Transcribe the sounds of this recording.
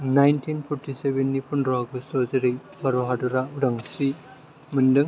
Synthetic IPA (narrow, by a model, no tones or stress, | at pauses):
najntʰinpʰɔɾtʰisebenːipʰundɾaɡɯsɔzeɾej | baɾɔɦadɔɾauɾaŋsɾi | mɯndɯŋ